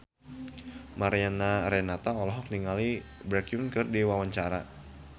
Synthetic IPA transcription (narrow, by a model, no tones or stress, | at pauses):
maɾianaɾɛnat̪aɔlɔɦɔk̚niŋalibɾakiunkɨrdiwawaɲt͡ʃaɾa̰